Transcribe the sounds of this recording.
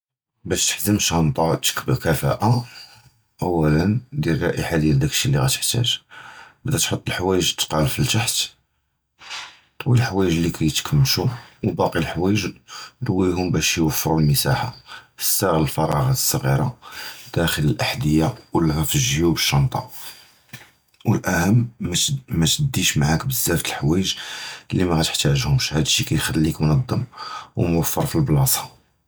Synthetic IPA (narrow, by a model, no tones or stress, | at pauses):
bæʃt̪ə̥ħzəmʃɑnt̪ˤɑt̪ə̥kbkæfæ̰ʔa | ʔæwːælənd̪jilrˤɑʔiħad̪jæld̪ækʃiliɣæ̰t̪ə̥ħt̪æ̰ʒbəd̪æt̪ħot̪ˤːəlħwæjəʒt̪ːqɑlfilt̪aħt̪ | wilħwæjəʒlːikʰæjət̪kʰəmːʃuwbɑqilħwæjəʒd̪wːiɦʊmbæʃjwəfːɾulməsaħa̰fə̥sːæɣləlfɑɾˤɑ̰ɣɑt̪ə̥sˤːɣḭɾˤɑ̰d̪̥æxələlʔaħd̪əjːawəlɣæfəʒjubəʃːɑnt̪ˤɑ̰ | wəlʔæhəmːmæt̪əd̪ːiʃmaʕakbəzːæft̪əlħwæjəʒlːimæɣæt̪əħt̪æʒhʊmʃhæd̪ʃikæjxælːikmnɑd̪ˤːəmwəmwəfːəɾˤfilblɑsˤɑ